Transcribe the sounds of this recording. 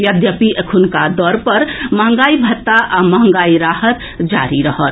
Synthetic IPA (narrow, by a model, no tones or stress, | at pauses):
jəd̪jəpiʔekʰunkad̪ɔɾpəɾməɦə̃ŋ̆ɡaːibʱət̪ːaʔaməɦəŋ̆ɡaːiɾahət̪ | d͡ʒa̰ɾiɾəɦət̪